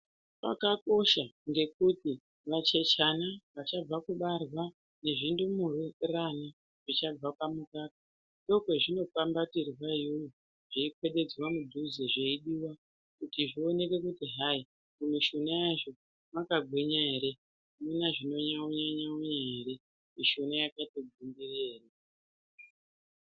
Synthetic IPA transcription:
pa̰kako̞ʃaŋɡe̞kuti | ʋat͡ʃe̞t͡ʃanaʋat͡ʃab͡vakuɓarwa | ne̞ʐindumurirana | ʐ̥it͡ʃab͡vapamukaːtḁ | ndo̞kwe̞ʐino̞fambatirwajoji | ʐ̥iikwe̞ɗe̞d͡zwamudʱuzeʐeiɗiwa | kutiʐio̞ne̞ke̞kutiɦai | kumiʃunajaʐo̞ | makaɡʱwiɲaeɾe̞ | munaʐino̞ɲaoɲaɲaoɲaeɾe̞ | miʃunajakatoɡimbireːra

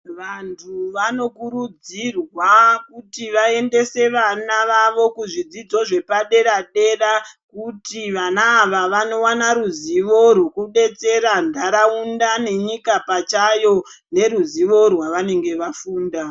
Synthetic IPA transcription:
ʋantʰuʋano̞kurud͡zirwakutiʋae̞nde̞se̞ʋanaʋaʋo̞kuʐid͡zid͡zo̞ʐe̞paɗe̞ɾaɗe̞rakutiʋanaːʋaʋano̞wanaɾuziʋo̞rwukuɗe̞t͡se̞ɾandʱaɾaundane̞ɲikapat͡ʃajo̞ | ne̞ɾuziʋo̞rwaʋane̞ŋɡe̞ʋafuːnda

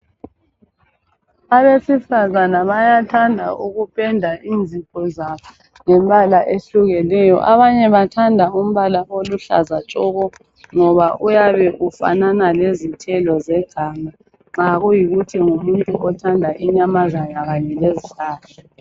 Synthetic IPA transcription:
aβesifazanaβajatʰandʱa̰ʔuɣupʰʼɛndʱaʔind͡zʱipʰʼɔzaβa | ŋɛmɓʱalaʔeɬuɣɛnɛjɔ̰ʔaβaɲɛβatʰandʱaum̩βalaʔoluɬa̰zat͡ʃʼɔɣɔ | ŋɔβaʔujaβɛʔufa̰nanalezitʰɛlɔzɛɡ̥ʱama | ŋ͡ǁaɣujiɣutʰiŋumuntʼuʔɔtʰandʱaʔiɲamazajaɣaɲɛlezitʰaːtʰɔ̥

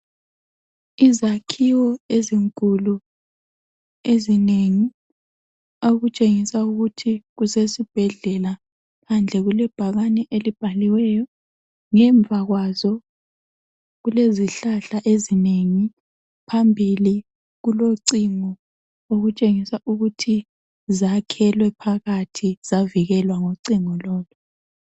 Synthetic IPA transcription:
izakʰiwɔeziŋkʼulu | ezineŋi | oɣut͡ʃʼeŋisauɣutʰiɣusesib̥ʱɛɮɛla | pʰand͡ɮʱɛɣulɛb̥ʱaɣanɛʔelib̥ʱaliwɛjɔ | ŋɛɱb̪vʱaɣwazɔ | ɣuleziɬaɬaʔezineŋi | pʰambʱili | ɣuloǀiŋɔ | oɣut͡ʃʼeŋisaʔuɣutʰi | zakʰɛlwɛpʰaɣatʰiz̥aviɣɛlwaŋoǀiŋɔlɔːlɔ

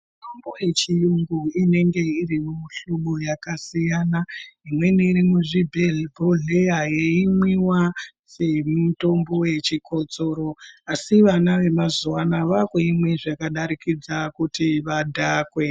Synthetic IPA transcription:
mutomboje̞t͡ʃijuŋɡuine̞ŋɡe̞iɾimumuɬuɓojakasijaːnaimwe̞niːɾimuʐibʱelbʱoɮejaje̞imwiwa | se̞muto̞mbo̞je̞t͡ʃiko̞t͡so̞ːɾo̞asiʋanaʋe̞mazuwanaʋakweimwe̞ʐakaɗaɾikid͡zakutiʋadʱaːkwe̞

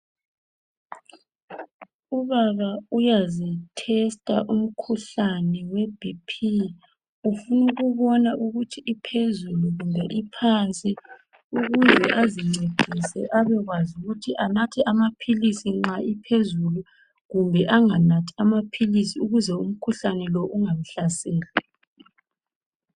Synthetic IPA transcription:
uβaβaujazɛtʰɛstʼa̰ʔum̩kʰuɬanɛwebʱipʰi | ufunuɣuβɔnaʔuɣutʰiʔipʰezuluɣumbʱɛʔipʰant͡sʼi | uɣuzɛʔaziŋ͡ǀed̥ʱisɛʔaβɛɣwazuɣutʰiʔanatʰiʔamapʰilisiŋ͡ǁaipʰezulu | ɣumbʱɛʔaŋanatʰiamapʰilisiuɣuzɛum̩kʰuɬanɛlɔʔuŋam̩ɬasɛːla

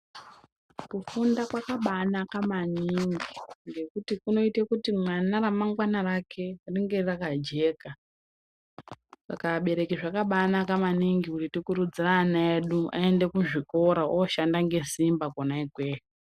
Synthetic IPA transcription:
kufundakwakaɓanakamaniŋɡiŋɡe̞kutikuno̞itekutimwanaramaŋɡwanarakʰe̞riŋɡe̞rakad͡ʒe̞ːka | ʐa̰kaɓe̞ɾe̞kiʐakaɓanakamaniŋɡikutitikuɾud͡ziranaeɗua̰e̞nde̞kuʐiko̞ɾaooʃandaŋɡe̞simbakonaikweːko

